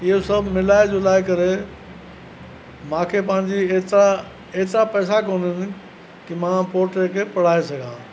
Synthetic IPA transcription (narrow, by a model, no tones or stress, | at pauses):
ɪɦosɐbʱmɪlaːɪd͡ʑoːlaːɪkɐɾe | mãːkʰepɐ̃ɦɪ̃ɲ̆d͡ʑieːt̪ɾa | eɦt̪ɾapɛːsakoːnɪnɪ̆ | kimãːpoːɾʈekʰeːpɐɽ̤aːesɐɡʱãː